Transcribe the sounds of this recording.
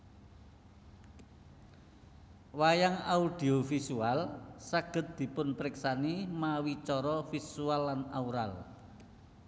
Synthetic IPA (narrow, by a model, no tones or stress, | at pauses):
wajaŋaud̥i̤ofisualsaɡ̥ə̤t̪̚d̪̥i̤pʊnpɾɪksanimawit͡ʃɔɾɔfisualːanauɾal